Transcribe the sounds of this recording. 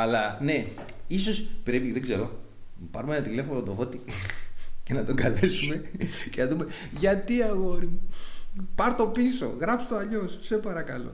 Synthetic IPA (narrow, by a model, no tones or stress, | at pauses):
ɐlɐne̞ | iso̞spɾe̞piðeɡze̞ɾo̞ | pɐɾumeenɐt̪ile̞fonot̪ofo̞t̪i | cenɐt̪oɡɐle̞sume̞cenɐðume̞ | ʝɐt̪iɐɣoɾimu | pɐɾt̪o̞piso̞̰ɣɾɐpst̪oɐʎo̞sse̞pɐɾɐkɐlo̞̰